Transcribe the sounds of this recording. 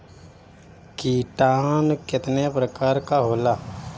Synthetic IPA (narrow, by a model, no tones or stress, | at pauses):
kiːʈaːnkɪt̪nepɾəkaːɾkaɦoːlaː